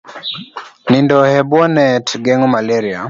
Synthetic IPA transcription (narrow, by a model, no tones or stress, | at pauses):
nindɔhɛbɔnɛtɡɛŋɔmalɛɾia